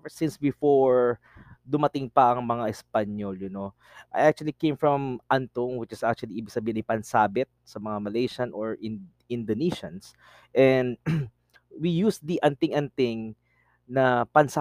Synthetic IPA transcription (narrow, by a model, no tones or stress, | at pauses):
sɪ̃nsbɪfoɹ | d̪ʊmɐt̪ɪŋpɐʔɐŋmɐŋaʔɛspɐɲoljʊno | ʔa̰jʔak̚t͡ʃʊwɐlikẽjmfɹɐmʔant̪ʊŋwɪt͡ʃɪsʔak̚t͡ʃuɐliʔiːbɪɡsɐbiːhɪnɐjpɐnsaːbɪt̪̚sɐmɐŋamɐlejʃɐnʔɔɹʔɪ | ɪ̃nd̪oniʃɐns | ʔɛnd̪ | wijusd̪iʔɐnt̪ɪŋʔɐnt̪ɪŋ | nɐpɐnsa